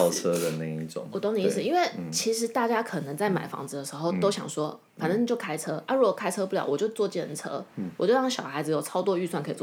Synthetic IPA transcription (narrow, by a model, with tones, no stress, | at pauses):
ʊt͡sʰɤ˥d̪ə˨na˥˧ɪi˥˩ʈ͡ʂʊ̰˨˩˦ŋwɔ˨˩t̪o˥ŋni˧i˥˩s̩˨˩i˥nwe˥˩ɪt͡ɕʰi˧˥ʂɻ̩˧˥t̪a˥˩t͡ɕja˥kʰɤ˨˩nə˧˦ŋt͡sa˥˩ɪma̰˨˩ɪfɑ̰˧˥ŋt͡sɹ̩˧d̪ə˩ʂɻ̩˧˥xo˥˧ʊt̪o˥ʊɕjɑ̰˨˩ŋswɔ˥ | fa˨˩nʈ͡ʂə˥ŋni˨˩t͡ɕjo˥˩ʊkʰa˥ɪt͡sʰɤ˥a˥˧ɻu˧˥wɔ˨˩kʰa˥ɪt͡sʰɤ˥pu˥˩ljɑ̰˨˩ʊwɔ˨˩t͡ɕjo˥˧ʊt͡swɔ˥˧t͡ɕjɛ˥˩nt͡sʰɤ̰˥wɔ˨˩t͡ɕjo˥˧ʊɑ˥˩ŋɕjɑ˨˩ʊxa˧˥ɪd͡zɹ̩˧jo˨˩ʊt͡sʰɑ˥ʊt̪wɔ˥˧y˥˧swa˥˩nkʰɤ˧˥i˨˩wɔ˥˩